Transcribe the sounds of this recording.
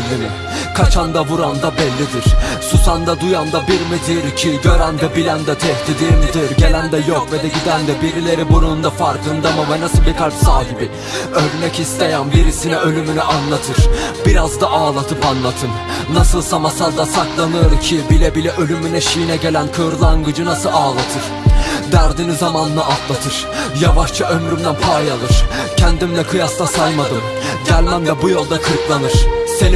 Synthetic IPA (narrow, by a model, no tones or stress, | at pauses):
lːimi | kʰat͡ʃʰand̪avuɾand̪abɛlʲːid̪iɾ̥susand̪ad̪ujand̪abiɾmid̪iɾcʰiɟøɾand̪ɛbilʲænd̪ɛt̪ʰɛht̪ʰid̪iɾmid̪iɾɟe̞lʲænd̪ɛjokved̪ɛɟid̪ænd̪ɛbiɾilʲe̞ɾibuɾund̪afaɾkʰɯnd̪amɯvɛnasɯlˠbikʰat͡ʃsaːɦibi | øɾnɛcist̪ʰe̞jænbiɾisinɛø̞lʲymynyʔanlˠat̪ʰɯɾ̥biɾazd̪aʔaːlˠat̪ʰɯpanlˠat̪ʰɯnː | asɯlˠsamasaɾd̪ˠasaklˠanɯjoɾumcʰibilʲɛbilʲɛʔø̞lʲymynyʃijinɛɟe̞lʲænkʰɯɾlˠaŋɡɯd͡ʒɯnasɯaːlˠat̪ʰɯɾ̥d̪æɾd̪inizamanɯnɯʔat̪lˠat̪ʰɯɾ̥ | javaʃt͡ʃʰaʔø̞mɾymd̪ænpʰajalˠɯɾ̥cʰɛnd̪imlʲɛkʰɯjast̪asajmad̪ɯm | ɟælʲmæmlʲɛbujo̞lˠd̪akʰɯɾklˠanɯɾ̥sen